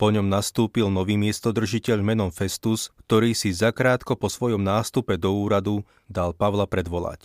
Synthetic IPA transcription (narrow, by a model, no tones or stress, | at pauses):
pɔɲɔmnast̪uːpilnɔʋiːmɪɛst̪ɔd̪r̩ʒicɛʎmɛnɔmfɛst̪uskt̪ɔɾiːsizakɾaːt̪kɔpɔsʋɔjɔmnaːst̪upɛd̪ɔuːɾad̪u | d̪alpaʋlapɾɛd̪ʋɔla̰ːc